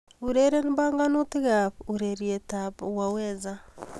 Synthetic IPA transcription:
uɾeɾenibaːŋɡanutiɣaβuɾeɾietapwaweza

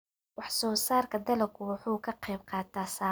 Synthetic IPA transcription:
wɑħsɔːsaːrkʰɐd̪ɐlɐkʰʊwɑħuːkʰɐqɛjbqɑːt̪ʰaːsaː

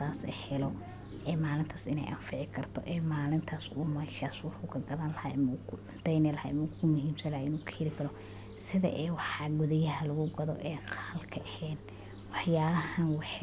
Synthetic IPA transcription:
aːsɛ̰hɛlɔ | ʔɛːmaːlɪnt̪ʰaːsɪnɛ̰jʔɐnfɪʕɪkʰɐrt̪ʰɔ̰ʔɛːmaːlɪnt̪ʰaːsuːmɐʃaːswɑrkʊkʰɐɡɐðaːnlɐhaːɛmukʰʊʕʊnt̪ʰɛjnɪlɐha̰ɪmukʰʊmʊhiːmsɐnlɐhaɪnuːkʰɛlɪkʰɐɾɔ | sɪðɐ̰ʔɛːwɑħɑɡʊðɐjɐɦɐlɐɣʊɡɐðɔʔɛːqʰɑːlkʰɐʔɐhɛːd̪̚ | wɑħjaːɾɐhɐnwɑħ

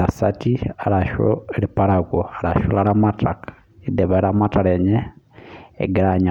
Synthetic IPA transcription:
asatiaɾaʃo̰lipaɾakoaɾaʃolaɾamatakḁ | ideβaɾamataɾeɲḛː | ɡiɾaɲa

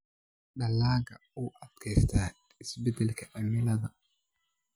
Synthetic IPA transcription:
ɗɐlːaːɡɐuʔɐd̪kʰɛjst̪ʰaː | ɪsbɛd̪ɛlkʰɐʔɐmɪlɐðɐ

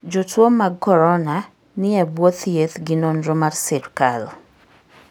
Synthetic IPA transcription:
d͡ʒotwomːaɡkɔɾɔna | nɪɛbwot̪jet̪ɡɪnonɾomarsɪɾkal

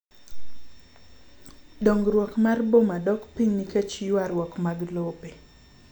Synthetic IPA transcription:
doŋɡɾwɔkmarbomadɔkpiɲniket͡ʃijwaɾwɔkmaɡlope

